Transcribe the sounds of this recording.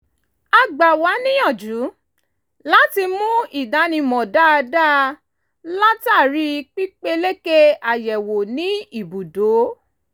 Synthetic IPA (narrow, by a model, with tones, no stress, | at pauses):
a˨ɡ͡ba˨wa˨˦nĩ˦jɔ̃˦˨d͡ʒũ˨˦ | la˦ti˧mũ˦i˦˨da˨˦nĩ˧mɔ̃˨da˦˧da˦ | la˦ta˦˨ɾi˨˦˧k͡pi˦k͡pe˦le˦ke˦a˨jɛ˨wo˨nĩ˨˦i˦˨bu˨do˨˦